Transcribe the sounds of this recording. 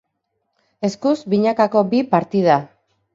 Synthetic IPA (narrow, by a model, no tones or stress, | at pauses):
e̞skuzbiɲakako̞bipaɾt̪iða